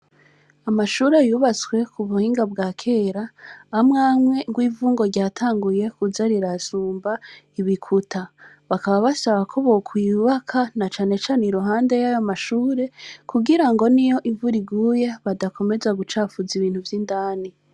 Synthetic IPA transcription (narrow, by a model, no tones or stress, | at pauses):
amaʃuːɾejuːβat͡skwe̞kʰuβuhiːŋɡabɡaːkʰe̞ːɾaːmŋaːmwe̞ŋɡwiːvuːŋɡo̞ɾɟaːtʰaːŋɡuje̞kuzaɾiɾasuːmba | iβikʰutʰa | βakaβaβasaβakʰo̞βokʰwiːβakʰanat͡ʃaːne̞t͡ʃaːneɾuɦaːnde̞jajomaʃuːɾe̞kuɡiɾaŋɡo̞nijo̞ʔivuɾiɡuːje̞βadako̞me̞zaɡut͡ʃaːfuziβiːnhuvjindaːni